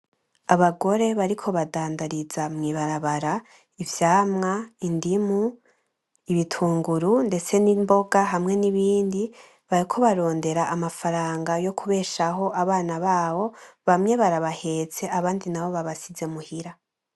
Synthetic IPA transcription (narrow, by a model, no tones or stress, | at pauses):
aβaɡo̞ɾe̞βaɾikʰo̞βadaːndaɾizamŋiːβaɾaβaɾa | ivjaːmŋaindimu | iβitʰuːŋɡuɾunde̞t͡se̞nimbo̞ɡaɦamŋe̞niβiːndi | βaɾikʰo̞βaɾo̞ːnde̞ɾaʔamafaɾaːŋɡajo̞kuβe̞ːʃaɦo̞ʔaβaːnaβaːwo̞βamɲe̞βaɾaβahe̞t͡se̞ʔaβaːndinaβo̞βaβasize̞muhiɾa